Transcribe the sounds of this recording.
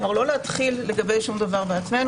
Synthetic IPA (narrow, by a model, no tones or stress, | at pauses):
vaʁlo̞leat̪χilːe̞ɡɐbe̞jʃumd̪avaʁbeat͡sme̞n